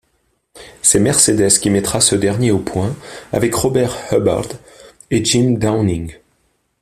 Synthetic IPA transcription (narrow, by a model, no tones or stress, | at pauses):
sɛmɛʁsed̪ɛskʲimɛt̪χasəd̪ɛʁnjeopwɛ̃a̰vɛkʁɔbɛʁhɔba̰ʁd̪ | ed͡ʒimd̪awnĩŋ